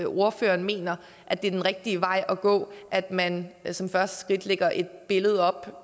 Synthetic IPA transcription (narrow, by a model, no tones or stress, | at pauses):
o̝ɐfø̰ːɐnme̝̰ːnɐ | ʔæd̥e̝ɐd̥enʁɛɡ̥̚d̥iəʋɑ̈ɪ̰ʔɒɡ̥ɔ̰̽ːʔæd̥mænsɒ̽mfɶɐsd̥ə̥sɡ̥ʁid̥leɡ̥ɐʔe̝d̥̚b̥e̝ləð̞̩ˠɒ̽b̥